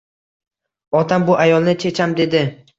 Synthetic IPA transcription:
ɒt̪ʰambʊʔajɒlˠnɪt͡ʃʰe̞t͡ʃʰamd̪e̞d̪ɪ

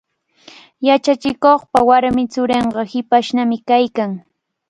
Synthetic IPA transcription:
jat͡ʃat͡ʃɪkoχpawaɾmɪt͡sʊɾeɴɢɑhɪpaʃnamɪkajkaŋ

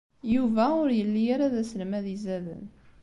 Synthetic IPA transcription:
juvæʊɾjəlːijaɾaðæsəlmæðizæðə̰n

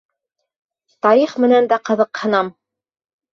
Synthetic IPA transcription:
t̪ɑɾiχmɘ̆nænd̪æqɤ̆ðɤ̆qhɤ̆nɑm

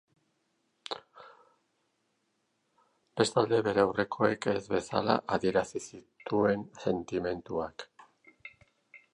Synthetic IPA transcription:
b̥e̞st̪ald̪e̞βe̞ɾeawre̞kʰo̞e̞ke̞zβe̞sa̰la̰ʔaðie̞ɾasisit̪ue̞nse̞nt̪ime̞nt̪uak

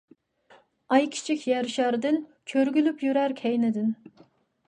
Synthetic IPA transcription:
ɑjkʲʰi̥t͡ʃʰikʲjɛɾʃæɾd̪ɪnkʲʰøɾɡʲylypjyɾæɾkʲʰɛjnɪd̪ɪn

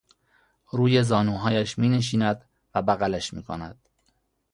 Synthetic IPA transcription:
ɾuːje̞zɒːnuːɦɒːjæʃmiːne̞ʃ̬iːnæd̪ | væbæɣælæʃmḭːkʰo̰næd̪̥

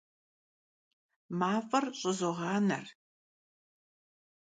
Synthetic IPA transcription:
maːfʼɐrɕʼɪzɔʁɑːnɐr

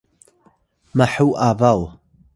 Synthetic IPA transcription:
maħuʔavalˠ

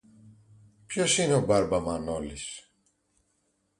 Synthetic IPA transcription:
pçosineobaɾbamanolis

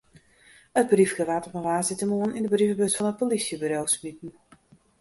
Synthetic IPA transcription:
ət̚brifɡəʋatɔpənʋaːsitəmoənindəbrivəbøsfɔnət̚polisjəbyɾowsmitn̩

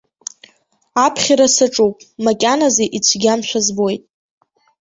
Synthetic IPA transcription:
apʰχʲiɾasaʈ͡ʂʼupʼmakʲʼanazeʔit͡ɕʷʰɡʲamt͡ʃʷazbojtʼ

